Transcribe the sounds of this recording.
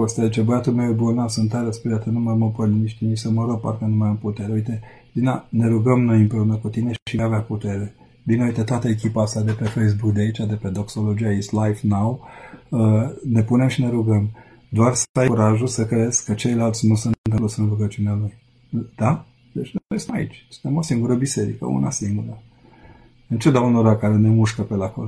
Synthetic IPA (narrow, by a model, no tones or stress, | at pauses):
ost̪ead̪it͡ʃebəjat̪umewebunnasɨnt̪ːaɾəspeɾat̪ənumaməpəniniʃʲt̪init͡ʃsəməɾoɡ̚pa̰rkənumajamput̪eɾeuijt̪e̞vinane̞ɾuɡəmno̞jɨmpɾe̞unəkut̪ine̞ʃiʃiaveaput̪e̞ɾe̞ | bineujt̪et̪oat̪əekʲipaast̪ad̪e̞pe̞fejs̬bukd̪eait͡ʃad̪e̞pe̞d̪o̞kso̞lo̞d͡ʒiajesʲt̪lajfnawəne̞pune̞mʃine̞ɾuɡəm | d̪oarsajuɾaʒulsəkɾe̞z̥kət͡ʃe̞jlalt̪sʲnusɨnt̪ɨmput̪sɨnvuɾɡət͡ʃunealuj | d̪̥a | d̪et͡ʃʲnjesmaḭt͡ʃʲst̪emo̞siŋɡuɾəbise̞ɾḭkə̰ṵnasiŋɡuɾə | ɨnt͡ʃed̪aunoɾakaɾenemuʃkəpelakol